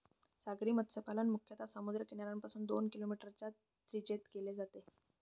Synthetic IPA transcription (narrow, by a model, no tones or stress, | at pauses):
saɡɾiːmət̪səpalənmukʰjət̪ʰasəmud̪ɾəkinjaɾampasuːnd̪o̰nkilomiʈəɾt͡ɕa | t̪ɾid͡ʑet̪keled͡zat̪e